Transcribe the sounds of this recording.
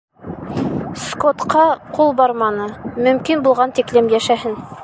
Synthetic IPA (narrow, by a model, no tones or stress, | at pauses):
skot̪qɑqulˠbɑɾmɑnɤmɵ̆mkinbulˠʁɑnt̪iklɘmjæʃæhɘn